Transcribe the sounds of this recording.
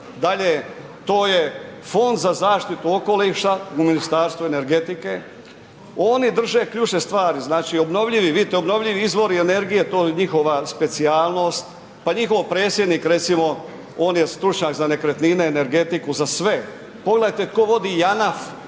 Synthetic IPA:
d̪aʎe | t̪o̞ːje̞fo̞nd̪zazaːʃt̪it̪uo̞ko̞liʃauminist̪aːɾst̪ʋue̞ne̞ɾɡe̞t̪ike̞ | o̞ːnid̪r̩ʒe̞kʎut͡ʃne̞st̪ʋaːɾiznaːt͡ʃio̞bno̞ʋʎiʋiʋid̪it̪eobno̞ʋʎiʋiizʋo̞ɾiene̞ɾɡije̞t̪o̞ːuɲixo̞ʋaspe̞t̪siaːlˠno̞ːst̪ | paɲixo̞ʋpɾe̞ːt̪sʲje̞d̪niːkɾe̞t̪simo̞ | o̞ːnjest̪ɾut͡ʃɲaːkzane̞kɾet̪nineːne̞ɾɡe̞t̪ikuzasʋe̞ | poɡleajt̪e̞t̪ko̞ʋo̞d̪ijanaf

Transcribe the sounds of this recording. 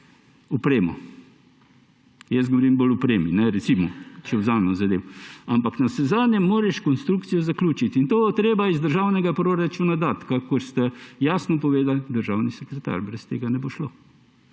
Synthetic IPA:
ɔpɾeːmɔ̰ | jɛs̚ɡɔʋɔɾimbolʊpɾeːminɛɾɛsimɔt͡ʃɛwzamɛɔzɐd̪ewampaknasɛzaːd̪njɛmːoːɾɛʃkɔnst̪ɾukt̪sijɔzaklʲuːt͡ʃit̪int̪oːt̪ɾeːbaizd̪əɾʒawnɛɡapɾoːɾat͡ʃunad̪at̪kakɔɾst̪ɛjaːsnɔpɔʋeːd̪ald̪əɾʒawnisɛkɾɛt̪a̰ːɾbɾɛst̪eːɡanɛboʃloː

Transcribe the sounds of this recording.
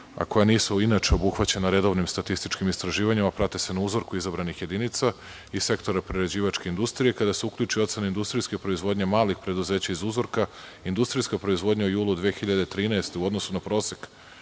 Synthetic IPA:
a̰ko̞janiːsuinat͡ʃeobuxʋat͡ɕe̞naɾe̞d̪o̞ʋnimst̪at̪ist̪it͡ʃkimist̪ɾaʒiːʋaɲimapɾat̪ese̞nauzo̞ɾkuizabɾanixje̞d̪init̪sa | ise̞kt̪o̞ɾapɾeɾed͡ʑiːʋat͡ʃke̞ind̪ust̪ɾije̞kad̪aseukʎʲuːt͡ʃio̞t̪se̞naind̪ust̪ɾijskepɾo̞izʋo̞ːd̪ɲemaːlixpɾe̞d̪uze̞ːt͡ɕaizuzo̞ɾkaind̪ust̪ɾijskapɾo̞izʋo̞d̪ɲaujuːlˠud̪ʋeːxiʎad̪et̪ɾiːnaest̪e̞uo̞d̪no̞sunapɾo̞ːsek

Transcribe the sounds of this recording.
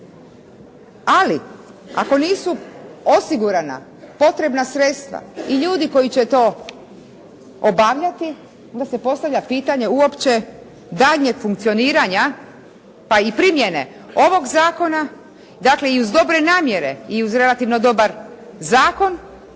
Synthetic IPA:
alia̰ko̞niːsuo̞siɡuɾana̰ | po̞t̪ɾe̞bnasɾet̪st̪ʋa̰iʎuːd̪iko̞jit͡ɕe̞t̪o̞ː | obaːʋʎat̪i | o̞nd̪ase̞po̞st̪aʋʎʲapiːt̪aɲe̞uo̞pt͡ɕe̞ | d̪aːʎɲe̞ɡ̥fuŋk̚t̪sio̞niːɾaɲa | paipɾimjene̞̰ | o̞ʋo̞ɡzaːko̞na | d̪aːkle̞iuzd̪o̞bɾe̞naːmje̞ɾe̞iuzɾe̞lat̪iʋno̞d̪o̞baɾzaːko̞n

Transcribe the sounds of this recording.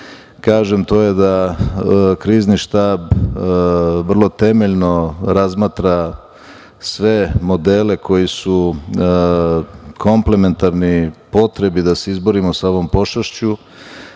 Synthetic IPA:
kaːʒemt̪o̞ːje̞d̪a | kɾiːzniʃt̪aːb | ʋr̩lˠo̞t̪e̞meʎno̞ɾazmaːt̪ɾa | sʋe̞mo̞d̪e̞ːle̞kʰo̞jisu | kʰo̞mple̞me̞nt̪aɾnipo̞t̪ɾe̞bid̪ase̞izbo̞ɾimosaoʋo̞mpo̞ʃaʃt͡ɕu

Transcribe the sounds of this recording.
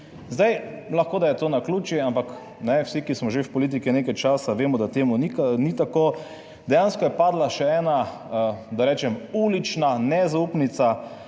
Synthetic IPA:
zd̪ajlaxkoːd̪ajɛt̪oːnakluːt͡ʃiampak | nɛwsikismɔʒewpɔliːt̪̬ikineːkajt͡ʃaːsaʋeːmɔd̪at̪eːmunikanit̪akoː | d̪ɛjanskɔjɛpaːd̪laʃɛɛːna | d̪aɾɛːt͡ʃɛmuːlit͡ʃnanɛzauːpnit̪sa

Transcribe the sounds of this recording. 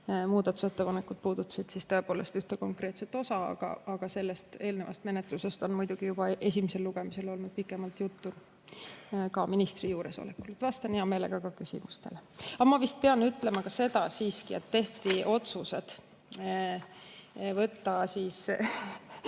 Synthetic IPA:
muːd̪ɑt̪ːˑu̥se̞t̪ːe̞pɑnekːˑud̪̥̚puːd̪ut̪ːˑɑ̥sid̪̥sist̪o̞e̞poːle̞st̪yht̪eko̞ŋkre̞ːt̪set̪o̞sɑɑ̰ɡ̥ɑ̰ɑɡ̥ɑse̞lːe̞st̪e̞ːlnevɑ̰st̪me̞net̪ˑluse̞st̪o̞nmujd̪̥uɡ̥ijub̥ɑʔe̞sʲimese̞lːuɡ̥e̞mise̞lo̞lnud̪̥̚pikːˑe̞mɑlt̪jut̪ːun | kɑminist̪rijuːɾe̞so̰lekːˑult̪vɑst̪ɑnjɑme̞ːle̞̰ɡ̥ɑkɑkysḭmust̪e̞̰leɑmɑvist̪̚pe̞ɑnyt̪ːˑlemɑkɑse̞d̪ɑsiːskie̞t̪ːe̞ht̪iʔo̞t̪suse̞d̪̥ | vɤt̪ːɑsiːs

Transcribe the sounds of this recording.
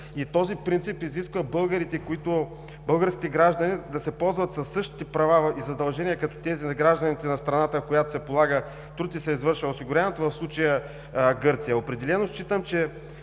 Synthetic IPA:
it̪ɔzipɾint̪sipiziskvəbɤlˠɡəɾit̪ɛkoit̪ʊ | bɤlˠɡəɾskʲi̥t̪ɛɡɾaʒd̪ɐnid̪ɐsɛpɔlˠzvɐt̪sɐsːɤʃt̪i̥t̪ɛpɾɐvaizɐd̪ɐlˠʒɛniəkɐt̪ɔ̥t̪ɛzinɐɡɾaʒd̪ɐnit̪ɛnɐst̪ɾɐnat̪əkojat̪o̥sɛpolˠaɡə | t̪ɾut̪isɛizvɤɾʃvəʊsiɡʊɾjanɛt̪ʊvɐfslˠut͡ʃɐjə | ɡɤɾt̪sijəopɾɛd̪ɛlɛnost͡ʃit̪əmt͡ʃɛ

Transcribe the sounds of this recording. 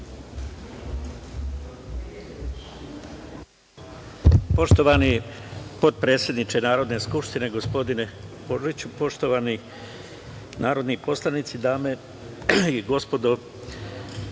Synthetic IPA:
po̞ʃt̪oʋanipo̞t̪̚pɾe̞ːt̪sje̞d̪nit͡ʃenaːɾo̞d̪ne̞skupʃt̪ine̞ɡo̞spo̞d̪ineboʐit͡ɕupo̞ʃt̪oʋani | naːɾo̞d̪nipo̞slˠanit̪sid̪aːme̞ | iɡo̞spo̞d̪o

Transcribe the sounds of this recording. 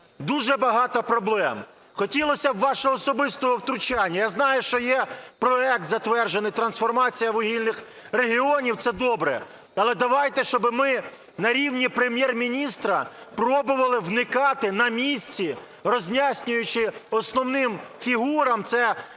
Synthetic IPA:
d̪uʒɛbɐɦɑt̪ɔpɾɔblˠɛm | xɔtʲilˠɔsʲɐwːɑʃɔɔːsɔbɪst̪ɔɦɔwt̪ɾʊt͡ʃanʲːɐjaznɑjʊʃt͡ʃɔjɛpɾɔɛk̚t̪zɐt̪ʋɛrʒenɪjt̪ɾɐnsfɔrmɑt͡sʲijɐʋɔɦʲilʲnɪx | reɦʲiɔnʲiwt̪sɛd̪ɔbɾɛ̰ | ɐlˠɛd̪ɐʋɑjt̪ɛʃt͡ʃɔbɪmɪ | nɐɾʲiwnʲipɾemʲjɛrmʲinʲist̪ɾɐpɾɔbʊʋɐlˠɪwnɪkɑt̪ɪnɐmʲisʲt͡sʲi | rɔzʲnʲasʲnʲʊjʊt͡ʃɪɔsnɔwnɪmfʲiɦuɾɐmt̪sɛ

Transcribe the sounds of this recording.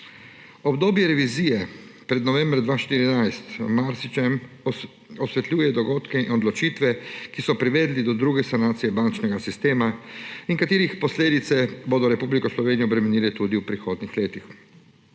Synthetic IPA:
ɔbd̪oːbjɛɾɛʋiziːjɛpɾɛd̪nɔʋɛmbɾd̪ʋaːʃt̪iɾinajst̪maɾsit͡ʃɛm | ɔsʋɛt̪lʲuːjɛd̪ɔɡoːt̪kɛinɔd̪lɔt͡ʃiːt̪ʋɛkisɔpɾiʋeːd̪lid̪ɔd̪ɾuːɡɛsanaːt̪sijɛbant͡ʃnɛɡasist̪eːmaiŋkat̪iːɾixpɔsleːd̪it̪sɛboːd̪ɔɾɛpublikɔslɔʋeːnijɔbɾɛmɛniːlɛt̪uːd̪iwpɾixoːd̪nixleːt̪ix

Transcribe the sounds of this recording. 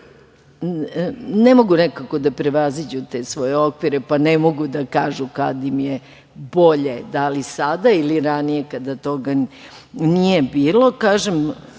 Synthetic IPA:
nemo̞ɡunekako̞d̪apɾeʋazid͡ʑut̪eːsʋo̞jeo̞kʋiɾepanemo̞ɡud̪akaːʒukad̪imje | bo̞ʎe̞d̪alisad̪ailiɾanije̞kad̪at̪o̞ɡa | nije̞biːlˠo̞kaːʒem

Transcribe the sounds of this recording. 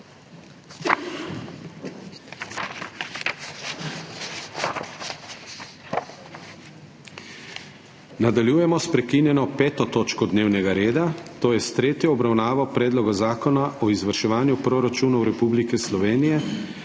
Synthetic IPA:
nad̪aljuːjɛmɔspɾɛkinjɛnɔpɛːt̪ɔt̪oːt͡ʃkɔd̪neːwnɛɡaɾeːd̪at̪oːjɛst̪ɾeːt̪jɔɔbɾawnaːʋɔpɾɛːd̪lɔɡazaːkɔnaʔɔizʋəɾʃɛʋaːnjupɾoɾat͡ʃuːnɔwɾɛpublikɛslɔʋeːnijɛ

